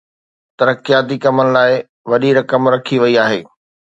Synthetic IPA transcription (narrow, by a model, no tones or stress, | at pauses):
t̪ɐɾəkijaːt̪̬ikɐmənɪ̆laːɪ | ʋɐɗiɾɐkəmɾɐkʰiʋɐiaːɦḛː